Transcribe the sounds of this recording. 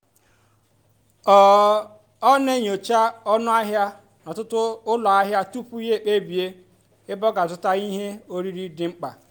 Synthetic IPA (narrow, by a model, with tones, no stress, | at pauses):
ɔ˨ | ɔ˦ne˦ɲ˨o˨t͡ʃa˦ɔ˦nʊ˦a˦ɦja˦ | nɔ˨tʊ˦tʊ˦ʊ˦lɔ˨a˦ɦja˦tu˦pu˦i˦je˦˨k͡pe˦bi˨e˦ | ɪ˦bɔ˦ɡa˨tʊ˦ta˦i˦ɦe˦o˦ɾi˦ɾi˦dɪ˨ŋ͡m̩˦k͡pa̰˨